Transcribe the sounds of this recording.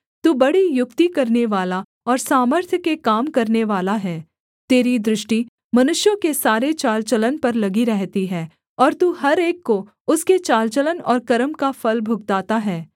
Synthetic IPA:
t̪uːbɐɽijʊkt̪ikɐɾneʋaːla | ɔːɾsaːməɾt̪ʰjəkekaːmkɐɾneʋaːlaɦɛː | t̪eːɾid̪ɾɪʃʈi | mɐnʊʃjõkesaːɾet͡ʃaːlt͡ʃələnpɐɾlɐɡiɾɛɦt̪iɦɛː | ɔːɾt̪uːɦɐɾeːkːo | ʊsket͡ʃaːlt͡ʃələnɔːɾkɐɾəmkafɐlbʱʊɡt̪aːt̪aɦɛː

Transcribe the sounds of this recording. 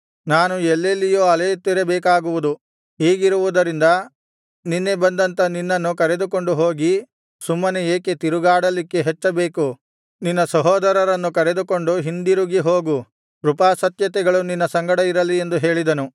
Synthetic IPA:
naːnuɛlːelːijoːɐlejt̪ːiɾebɛːkaːɡuʋud̪u | ɦiːɡiɾuʋud̪ɐɾind̪ɐ | ninːebɐnd̪ɐnt̪ɐninːɐnːukɐɾe̞d̪uko̞ɳɖuɦoːɡi | sumːɐneeːke̞t̪iɾuɡaːɽɐlikːe̞ɦɛt͡ʃːɐbeːku | ninːɐsɐɦɔːd̪ɐɾɐɾɐnːukɐɾed̪uko̞ɳɖuɦind̪iɾuɡiɦo̞ːɡu | ɾupaːsɐt̪jɐt̪ɛɡɐɭuninːɐsɐŋɡɐɽɐiɾɐlːie̞nd̪uɦe̞ːɭid̪ɐnu

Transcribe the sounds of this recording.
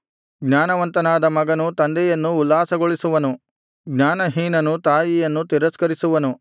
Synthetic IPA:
ɡɲaːnɐʋɐnt̪ɐnaːd̪ɐmɐɡɐnut̪ɐnd̪ɛjɐnːuːlːaːsɐɡoɭisuʋɐnu | ɡɲaːnɐɦiːnɐnut̪aːjijɐnːut̪iɾɐskɐɾisuʋɐnu

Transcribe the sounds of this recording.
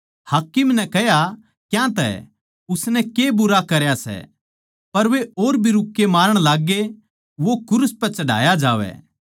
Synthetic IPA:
haːkɪmnɛkɛɦja | kjãt̪ɛ̰ | ʊsnɛkebʊɾakɐɾjasɛ̰ | pɐɾʋeoːɾbʱiɾʊkːemaːɾəɽ̃laːɡe | ʋokʊɾʊspɛt͡ʃɐɽ̤ʱa̰ːjad͡ʒaːʋɛ̰ː

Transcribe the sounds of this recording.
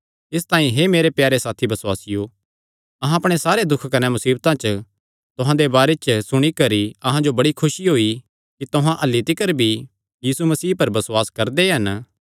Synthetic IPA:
ɪs̬t̪ãːĩɦemeːɾepjaːɾesaːt̪ʰibɐswaːsɪjo | ɐɦãɐpɽ̃esaːɾed̪ʊkʰkɐnɛmʊsiːbt̪ãt͡ʃə | t̪ʊɦãd̪ebaːɾet͡ʃsʊɽ̃ikɐɾiɐɦãd͡ʒobɐɽikʰʊʃiɦoːi | kit̪ʊɦãʔɐlːit̪ɪkəɾbʱi | jiːsumɐsiːpɐɾbɐswaːskɐɾd̪eɦɐn

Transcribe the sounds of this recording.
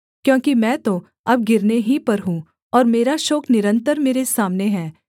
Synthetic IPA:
kjõːkimɛ̃ːt̪o | ɐb̚ɡɪɾneɦipɐɾɦũ | ɔːɾmeːɾaʃoːknɪɾə̃nt̪əɾmeːɾesaːmneɦɛː

